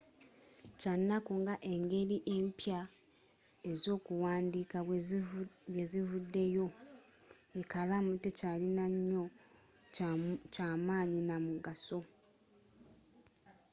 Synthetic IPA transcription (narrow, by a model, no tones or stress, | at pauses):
canːakuŋɡaʔe̞ŋɡe̞ɾiʔe̞mpja | e̞zo̞ːkuwaːndika | βezivudːe̞jo̞ | e̞kalamute̞calinaɲːo̞ | caːmaːɲinamuɡaso̞